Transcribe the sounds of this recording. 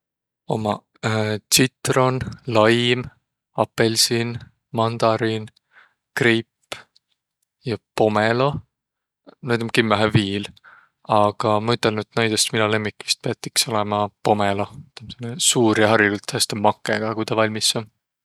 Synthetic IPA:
o̞̰mɑ | t̪sit̪ro̞nlɑjm | ɑpːelʲsin | mɑnd̪̥ɑɾin | kripː | jɑpo̞melo̞ | nejt̪ɑmkimːæɦeviːl | ɑɡ̥ɑmɑyt̪ːˑelnyt̪ːnɑjd̪est̪minɑle̞mːikːˑi̥st̪̚peɑt̪ːˑikso̞lemɑpo̞melo̞t̪ɑmsenːesuːɾjɑɦɑrjiɡ̥ult̪hʰæst̪ɑmɑkːˑeɡ̥ɑkujt̪ɑvɑlʲmisɑm

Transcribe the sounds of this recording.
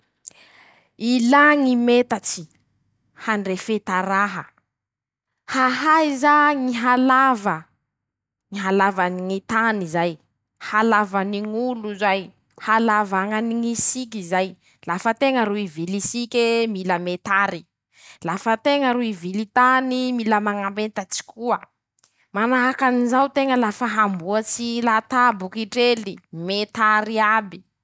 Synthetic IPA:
ilaŋimet̪at͡ʃi̥ | hanɖ͡ʐefet̪aɾaɦə | haɦajzaŋiɦalavə | ŋiɦalavaniŋit̪anizaj | halavaniŋuluzaj | halavaŋaniŋisik̬ʲizaj | lafət̪eŋəɾuivilisikʲemiləmet̪aɾi | lafət̪eŋəɾuivilit̪animiləmaŋambent̪at͡si̥kuə | manaakanizawt̪eŋəlafəɦambuət͡silat̪abukiʈ͡ʂelimet̪aɾiabi̥

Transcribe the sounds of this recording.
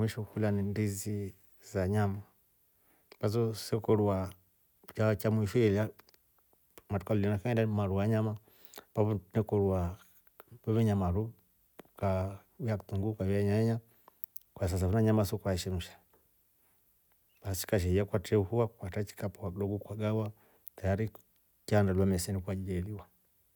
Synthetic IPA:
miʃukulanindizi | zaɲama | pazɔsɛkɔɾuwa | t͡ʃat͡ʃamuifɛla | matukalulinakaɛndamaɾuwaɲama | paβunɛkɔɾua | pɔβiɲamaɾu | ka | jaktuŋɡukajɛaɲaɛɲa | kwas̬as̬afunaɲamasɔkaʃɛmuʃḁ | basi̥kaʃ̬ɛjakwatɛuhuwakwatat͡ʃi̥kapuaɗɔɡukwaɡawa | tajaɾi | t͡ʃandalwamɛsɛnikwad͡ʒid͡ʒɛliwa

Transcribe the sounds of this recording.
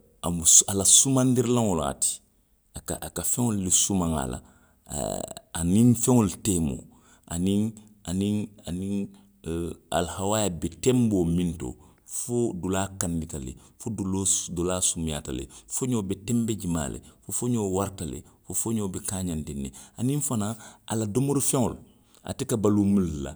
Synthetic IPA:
amusalasumãndiɾlãŋola̰ti̥ | akaʔakafeŋolːisumaŋa̰la̰ | anĩŋfẽŋolteːmo̰ː | ʔanĩŋ | anĩŋanĩŋ | a̰lhawajabetemboːmĩnto̰ | fodulaːkanditalḛfodulodolaːsumja̰ːtalḛfoɲobetembed͡ʒima̰ːlḛfofoɲoːwaɾtalḛfofoɲoːbekaːɲandinːḛanĩŋfanaa̰ladomoɾfɛ̃ŋo̰l | a̰tikabalumulːa̰

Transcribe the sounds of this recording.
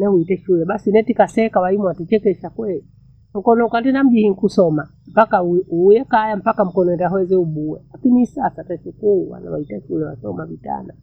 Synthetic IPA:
nɛhuitɛʃulɛɓasinɛtikasɛkawaimwatut͡ʃɛkɛʃakwɛli | m̩kɔnɔukatɛnam̩ʄihiŋkusɔma | m̩pakaujɛkajam̩pakam̩kɔnɔɛndaɦɔɛzɛuɓuwɛ̰lakinisasatɛsikuwa̰na̰waitaʃulɛwa̰sɔmavita̰na

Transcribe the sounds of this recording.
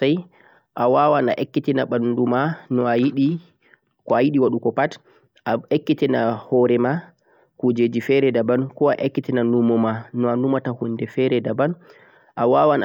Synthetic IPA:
aj | ʔawawana̰ʔekːitinaɓandumanɔajiɗi | kɔajiɗiwaɗukɔpat | aekːitinahɔɾɛma | kud͡ʒed͡ʒifɛɾɛdabankɔa̰ʔekːitinanumɔmanɔanumatahunːdɛfɛɾɛdaban | ʔawawan

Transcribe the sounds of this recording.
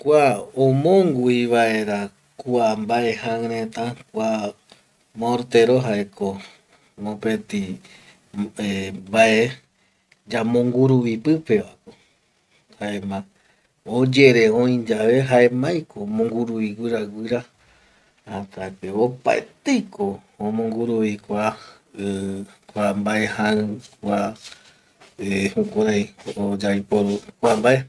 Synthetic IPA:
kʷaõmõŋɡuiβae̞ɾa | kuambae̞haŋɾẽt̪akʷa | moɾt̪eɾoɦaeko | mõpet̪i | ebaʔe | d͡ʒamõ̞ŋɡuɾuβipɨpe̞ʋako | haemã | od͡ʒe̞ɾe̞õĩd͡ʒaʋe̞ɦae̞mãjkomõŋɡuɾuβiɡʷɨɾaɡʷɨɾa | hat̪akeβopa̰ḛt̪ejkoõmõ̞ŋɡuɾuβikʷa | kʷambaehãɨ̃kʷa | ehukʷaɾajod͡ʒajpoɾukʷambae

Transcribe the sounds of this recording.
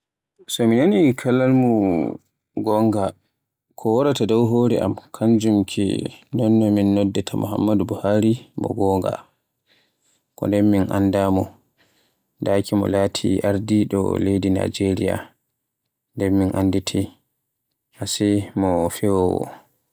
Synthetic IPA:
sɔminanikʰalalmu | ɡɔŋɡa | kʰɔwaɾatadɔwɦoɾɛʔa̰mkʰaɲd͡ʒumkʰḭnɔnːɔminːɔdːɛtʰamṵha̰mːadubuhaɾimɔ̰ɡɔŋɡa̰ | kɔ̰ndɛnminʔa̰ndamɔ | dakimɔ̰laːtʰḭʔaɾdiɗɔ̰lejdina̰d͡ʒeɾija̰ | ndɛɾminʔanditʰi | hasɛmɔfɛwɔwɔ̰

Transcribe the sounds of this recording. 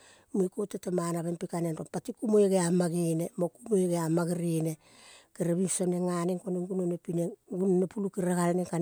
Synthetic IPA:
muikotetamanaβenpikanenɾompatikumojeɡeamaɡinemokumojɡeamaɡiɾine | keɾaβimsoneŋaneŋkoneŋɡunonepineɡunonepulukiɾakaɾneŋka

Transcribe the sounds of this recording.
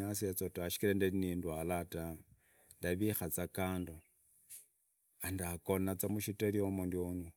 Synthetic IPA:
asiat͡sotaʃi̥kilandanindwalata | ndaβixat͡sakaːndo | andakonat͡samuʃiteliomundioɲu

